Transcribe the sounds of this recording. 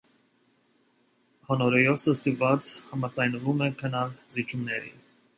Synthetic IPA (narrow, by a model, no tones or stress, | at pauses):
hɔnɔɾɛjɔsəst̪ivɑt͡shɑmɑd͡zɑjnvumɛkʰənɑlzit͡ʃʰumnɛɾḭ